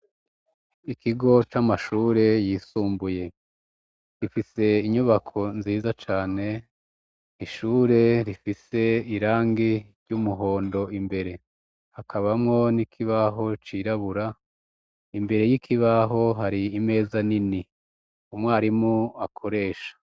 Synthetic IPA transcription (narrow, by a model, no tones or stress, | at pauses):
ikʰiɡo̞t͡ʃamaʃuːɾe̞jiːsuːmbuje̞ | ɾifise̞iɲuβakʰo̞nziːzat͡ʃaːne̞ | iʃuːɾe̞ɾifise̞iɾaːŋɡiɾɟumuɦo̞ːndo̞imbe̞ɾe̞ | hakʰaβamŋo̞nikʰiβaɦo̞t͡ʃiɾaβuɾa | imbe̞ɾe̞jikʰiβaɦo̞ɦaɾiːme̞ːzanini | umŋwaːɾimuakʰo̞ɾe̞ːʃḁ